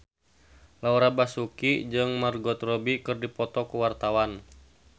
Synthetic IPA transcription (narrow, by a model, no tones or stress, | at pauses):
lauɾabasukid͡ʒɨŋmarɡɔt̪rɔbikɨrdipɔt̪ɔkuwart̪awan